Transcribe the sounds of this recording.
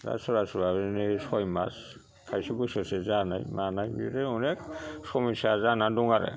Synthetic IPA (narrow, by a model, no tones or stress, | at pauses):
za̰sɔɾasɔbaβɛnesɔjma̰s | kʰajsibɔsɔsɛzana̰jmanajbḭɾɛɔnɛksɔmisazanaduŋaɾɛ̰